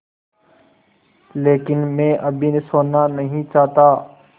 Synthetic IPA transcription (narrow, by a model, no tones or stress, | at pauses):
leːkɪnmẽːʔəbʱinesoːnːanɐɦĩt͡ʃaːt̪aː